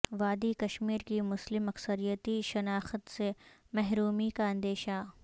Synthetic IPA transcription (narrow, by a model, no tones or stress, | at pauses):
ʋaːd̪ikɐʃmiːɾkimʊslɪmɐksəɾijət̪iʃɐnaːxət̪se | mɛɦɾuːmikaɐ̃nd̪eːʃa